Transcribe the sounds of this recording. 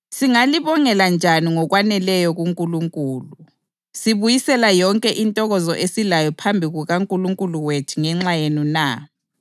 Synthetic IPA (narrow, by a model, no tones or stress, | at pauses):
siŋaliβɔŋɛland͡ʒʱaniŋɔɣwanɛlɛjɔɣuŋkʼuluŋkʼuːlu | siβujisɛlajɔŋkʼɛʔintʼɔɣɔzɔʔesilajɔpʰambʱiɣuɣaŋkʼuluŋkʼuluwetʰiŋɛŋ͡ǁajenuna